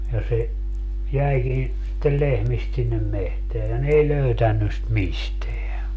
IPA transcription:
jɑ se jæikin sitːel lehmist sinːem mehteæ jɑ n ei løytænːy st misteæ

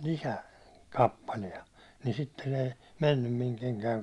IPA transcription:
kɑpːɑliɛ ni sitːen ei menːym miŋ keŋkæiŋ

